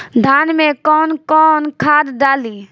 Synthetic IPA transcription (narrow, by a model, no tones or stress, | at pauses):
d̪ʱaːnmẽkɔːnkɔːnkʰaːd̪ɖaːliː